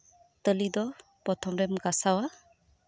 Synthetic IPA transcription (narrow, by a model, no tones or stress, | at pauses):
t̪əlidɔpɾɔtʰɔmɾɛmɡasawa